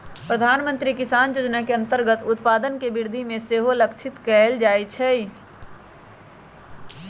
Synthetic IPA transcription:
pɾəd̪ʱaːnmə̃nt̪ɾikɪsaːnjoːd͡ʒnakeɐ̃nt̪əɾɡət̪ʊt̪paːd̪ənkebɪɾd̪ʱimẽseːɦoləkt͡ʃʰɪt̪kɛːld͡ʒaːit͡ʃʰɛi

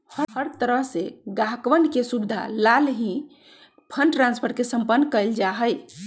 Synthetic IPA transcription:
həhəɾt̪əɾəɦseɡaɦkʋənɖkesubid̪ʱa̰lalɦĩ | pʰənʈɾãnspʰəɾʈ̚kesəmpənːkəjld͡ʒaɦəj

